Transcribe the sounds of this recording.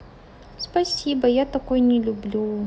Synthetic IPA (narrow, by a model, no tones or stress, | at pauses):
spɐsʲibɐjat̪ɐkojnʲɪlʲublʲu